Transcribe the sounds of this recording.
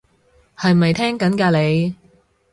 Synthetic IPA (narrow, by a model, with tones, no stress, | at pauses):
hɐ˨˧jmɐ˨jt̪ʰɛː˥ŋkɐ˨˥nkaː˧le˨˧j